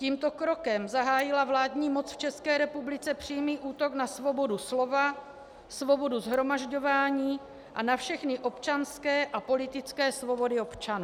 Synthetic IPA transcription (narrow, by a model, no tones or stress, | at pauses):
ciːmt̪o̞kɾokɛmzaɦaːjɪlavlaːdɲiːmo̞t͡sft͡ʃɛskɛːɾɛpublɪt͡sɛpr̝̥iːmiːʔuːt̪o̞knasvo̞bo̞duslova | svo̞bo̞duzɦɾo̞maʒɟo̞vaːɲiː | ʔanafʃɛxnɪʔo̞pt͡ʃanskɛːʔapo̞lɪt̪ɪt͡skɛːsvo̞bo̞dɪo̞pt͡ʃanuː